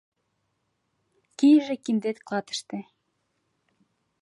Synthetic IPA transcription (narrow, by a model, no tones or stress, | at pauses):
kijʒĕkind̪et̪klɑt̪ə̥ʃt̪e